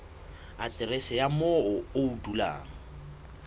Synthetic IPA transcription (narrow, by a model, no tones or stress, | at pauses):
atʼɪrɪsɛjamɔʊoudula̰ːŋ̩